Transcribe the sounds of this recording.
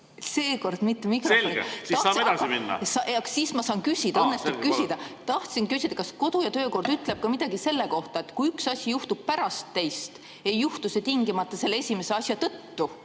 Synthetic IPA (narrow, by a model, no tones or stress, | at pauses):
se̞ːko̞rd̪̥mit̪ːemikreont̪ɑɑːsed̪ɑsiminːɑ̰sɑɑksiːsmɑsɑːnkysʲid̪̥ɑɤnːest̪ub̥̚kysid̪̥ɑt̪ɑht̪sinkysʲid̪ɑkɑsko̞d̪̥ujɑt̪ø̞ːko̞rd̪̥yt̪ːˑle̞b̥̚kɑmid̪̥ɑɡ̥ise̞lːe̞ko̞ht̪ɑet̪ˑkujyksɑsʲijuht̪ub̥̚pæɾɑst̪ːe̞jst̪ | e̞jːuht̪uset̪iŋɡimɑt̪ːˑɑse̞lːeesʲimeseɑsʲjɑt̪ɤt̪ːu